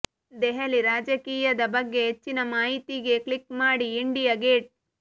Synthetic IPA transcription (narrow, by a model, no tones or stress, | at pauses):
d̪eɦɐliɾaːd͡ʒɐkiːjɐd̪ɐbɐɡːe̞ɦet͡ʃːinɐmaːɦit̪iɡe̞klikmaːɽiːɳɖijɐɡeːʈ̚